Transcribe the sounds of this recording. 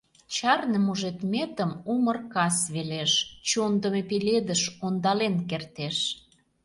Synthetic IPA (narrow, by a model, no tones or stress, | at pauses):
t͡ɕɑrnemuʒet̪mʲet̪əmumərkɑsβeleʃt͡ɕond̪əmepeled̪əʃond̪ɑlenkert̪eʃ